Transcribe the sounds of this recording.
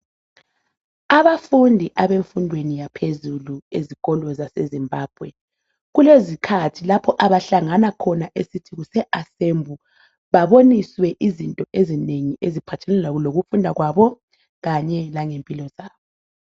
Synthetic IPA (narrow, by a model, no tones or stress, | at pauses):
aβafundʱiʔaβeɱfundʱwenijapʰezulueziɣ̥ʼɔlɔzasezimbʱaːb̥ʱwɛ | ɣulezikʰatʰilapʰɔʔaβaɬaŋanakʰɔnaʔesitʰiɣusɛʔasembʱu | βaβoniswɛʔizintʼɔʔezineŋiʔezipʰatʰɛnɛlaloɣufundʱaɣwaβɔ | ɣaɲɛlaŋempʼilɔzaːβɔ